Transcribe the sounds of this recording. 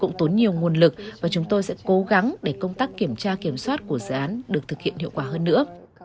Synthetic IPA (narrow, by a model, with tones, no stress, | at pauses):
kʊ̰˧˥ŋ͡mt̪o˨˦nɲi˨˩əwŋu˨˩ənlɨ˨˩k̚vaː˨˩t͡ɕʊ˨˦ŋ͡mt̪o˧jsɛ̰˧˥ko˨˦ɣa˨˦ŋɗe˧˩kə˧wŋ͡mt̪aː˦˥kːi˧˩əmt͡ɕaː˧ki˧˩əmswaː˦˥t̚ku˧˩əzɨ̰ː˨ʔaː˨˦nɗɨ˨˩ək̚t̪ʰɨ˨˩k̚hḭ˧˨nhḭ˧˨əwkwaː˧˩ɦəː˧nːɨ̰˧˥ə